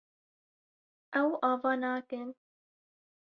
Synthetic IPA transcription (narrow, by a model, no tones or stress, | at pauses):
ɛwɑːvɑːnɑːkɨn